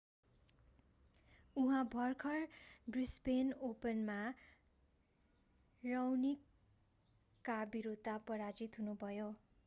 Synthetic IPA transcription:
uɦãbʱʌrkʰʌrbrispenopʌnma | rʌwnik | abiɾud̪ʱːapʌɾad͡zit̪ɦunubʱʌjo

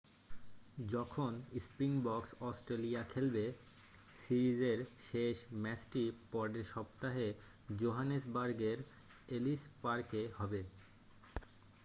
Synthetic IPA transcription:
d͡ʑɔkʰonispɾiŋbɔksɔsʈɾelijakʰelbe | siɾid͡ʑeɾʃeʃmɛsʈipɔɾɖeɾʃɔpt̪aɦe | d͡ʑoɦanesbaɾɡeɾ | elispaɾkehɔbe

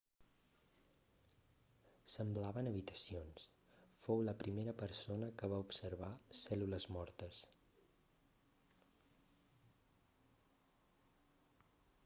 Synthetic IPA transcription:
səmblaβənəβit̪ə̥sions | fowləpɾimeɾəpəɾsonəkəβ̞aupsəɾβasɛluləzmɔɾt̪əs

